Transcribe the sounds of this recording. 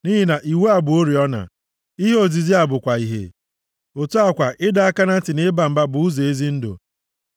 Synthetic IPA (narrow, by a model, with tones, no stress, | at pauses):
ni˦ɦi˦na˨ʔi˨we˦a˨bʊ˨o˦ɾi˨ɔ˦na̰˨ | i˦ɦo˨zi˨zi˦a˨bʊ˨kʷa˨i˨ɦḛ˨ | o˨tu˦a˦kʷa˨ʔɪ˦da˦a˦ka˦na˦tɪ˨ne˦ba˨m̩˨ba˦bʊ˨u˦ze˨e˦zi˦n̩˦dʊ̰˨